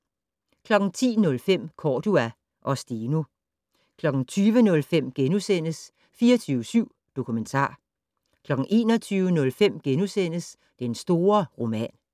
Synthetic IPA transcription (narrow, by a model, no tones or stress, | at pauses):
kʰlɒ̽ɡ̥n̩t͡sʰḭːnɔ̽lfem̰kʰɒːd̥uæ | ʔɒ̽sd̥inu | kʰlɒ̽ɡ̥n̩t͡sʰyːʋənɔ̽lfem̰ɡ̥enusen̰əs | fiːɒt͡sʰyːʊəsyʊ̰ | d̥o̝kʰument͡sʰɑ̰̈ː | kʰlɒ̽ɡ̥ŋ̩ʔe̝̰ːnɒt͡sʰyːʋənɔ̽lfem̰ɡ̥enusen̰əs | d̥ensd̥o̝ːɐʁo̝mɛ̰ːn